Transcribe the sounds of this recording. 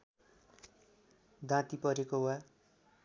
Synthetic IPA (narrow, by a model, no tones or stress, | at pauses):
d̪ãt̪ipʌɾekowa